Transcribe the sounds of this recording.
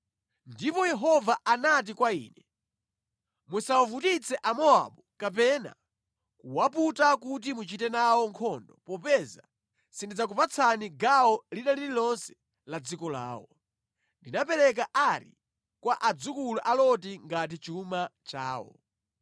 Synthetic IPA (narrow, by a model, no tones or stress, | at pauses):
ndipɔjɛɦɔvaʔanat̬ikwaḭːnɛ | musawavutit͡sɛʔamɔa̰ɓukap̬ɛna̰ | kuwaputakut̬imut͡ʃitɛnawɔŋkʰɔndɔpɔpɛza̰ | sindid͡zak̬upat͡sʰaniɡawɔliɗalililɔnsɛ̥ | lad͡zikɔla̰ːwɔ | ndinapɛɾɛk̬aʔaɾḭ | kwaʔad͡zukuluʔalɔtiŋɡat̬it͡ʃumat͡ʃa̰ːwɔ̰